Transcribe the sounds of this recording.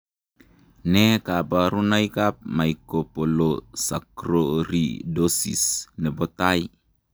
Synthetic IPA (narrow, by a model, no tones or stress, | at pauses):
nekabaɾunaikap̚maikopolosakɾoɾḭdosḭsnɛbɔt̪ai